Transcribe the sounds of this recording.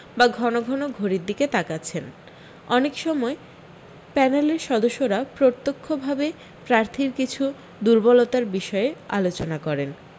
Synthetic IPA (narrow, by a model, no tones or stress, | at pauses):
baɡʱɔnoɡʱɔnoɡʱoɾiɾd̪iket̪akaːt͡ɕʰen | ɔnekʃɔmɔe | pɛneleɾʃɔd̪oʃːoɾapɾot̪ːokʰːobʱabe | pɾaɾt̪ʰiɾkit͡ɕʰu | d̪uɾbɔlot̪aɾbiʃɔeea̰lot͡ɕonakɔɾen